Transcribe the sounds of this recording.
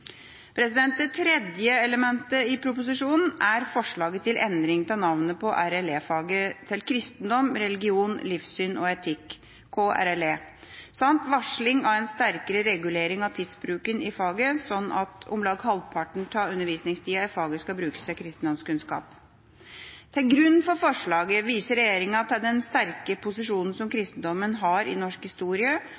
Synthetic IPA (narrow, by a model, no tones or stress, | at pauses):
pʰɾɛsɪd̪ɛnt̪̚d̪ɛt̪ʰɾɛd̪jəɛləmɛnt̪əɪpʰɾʊp̬ʊs̬ɪʂuːnn̩æɾfɔʂɭɑːɡət̪ʰːɪlʔɛnd̪ɾɪŋət̪ʰɑnɑʋnəpʰɔʔæɾɛleːfɑːɡət̪ʰɪlkʰɾɪst̪n̩d̪ɔmɾɛlɪɡɪuːnlɪfsyːnʔɔ̰ɛt̪ʰɪkʰː | oːʔæ̰ɾɛleː | sɑnt̪ʋɑʂlɪŋɑʋɛnst̪æɾkəɾəɾɛɡʉleːɾɪŋɑʋt̪ʰɪd̪sbɾʉːkənɪfɑːɡəsɔnːɑt̪ʊ̰mlɑːɡhɑlpʰɑʈɳ̩t̪ʰɑːɾʉnːəɾʋiːsnɪŋst̪ʰiːɑɪfɑːɡəskɑbɾʉːkə̥st̪ʰɪlkʰɾɪst̪n̩d̪ɔmskʉnskɑ̰ːp | t̪ʰɪlɡɾʉnːfɔɾfɔʂɭɑːɡəʋiːsəɾɛjeːɾɪŋənɑt̪̚ɛɖɛnst̪æɾkəpʰʊsɪʂuːnən̩sɔmkʰɾɪst̪n̩d̪ɔmənɦɑɾɪ̰nɔʂkhɪst̪uːɾɪə